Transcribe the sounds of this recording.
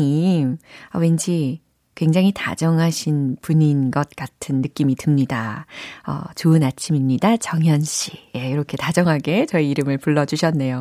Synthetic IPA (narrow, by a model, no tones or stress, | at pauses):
ɲimʌwe̞nd͡ʑi | kwe̞ŋd͡ʑaŋɦita̰d͡ʑʌŋɦaɕʰinpuɲinɡʌt̚k͈atʰɯnːɯk͈imitɯmɲidaʌ̰t͡ɕoɯnat͡ɕʰimimɲidat͡ɕʌŋɦjʌnɕ͈ʰijeiɾʌkʰe̞tad͡ʑʌŋɦaɡe̞t͡ɕʌiiɾɯmɯɭpuɭːʌd͡ʑuɕʰʌnːe̞jo